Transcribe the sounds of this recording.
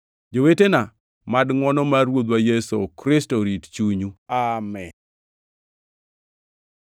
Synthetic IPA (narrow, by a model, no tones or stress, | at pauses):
d͡ʒowetena | madŋwɔnɔmaɾwod̪wajɛso̰kɾɪstoɾitt͡ʃuɲuamɛn